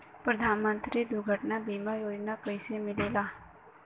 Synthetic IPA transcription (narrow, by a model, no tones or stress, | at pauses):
pɾɐd̪ʱaːnmə̃nt̪ɾid̪ʊɾɡʱəʈnabiːmajoːd͡ʒnakəisemɪleːlaː